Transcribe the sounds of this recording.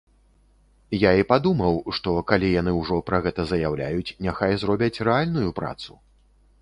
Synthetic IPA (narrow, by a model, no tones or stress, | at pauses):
jaipad̪umɐwʂt̪ɔkalʲijan̪ɨwʐɔpɾɐɣɛt̪ɐzɐjawlʲa̰jut͡sʲnʲɛxajzɾɔbʲɐt͡sʲrɛalʲnujupɾa̰t̪su